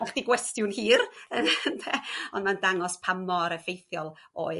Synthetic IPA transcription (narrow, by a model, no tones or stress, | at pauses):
aχd̥iɡwɛstjʊnhiːrəntʰɛɔndmandaŋɔspʰamɔaɾəfejθjɔlˠo̰ːɨ